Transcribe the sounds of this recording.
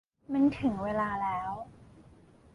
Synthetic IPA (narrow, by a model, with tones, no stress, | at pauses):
ma˧˥nt̪ʰɯ˨˩˦ŋweː˧laː˧lɛː˦˥w